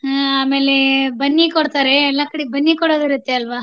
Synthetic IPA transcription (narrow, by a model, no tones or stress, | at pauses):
ɦaaːme̞ːlebɐnːikoɽt̪aːɾeːlːakɐɽibɐnːikoɽoːd̪iɾut̪ːeɐlʋa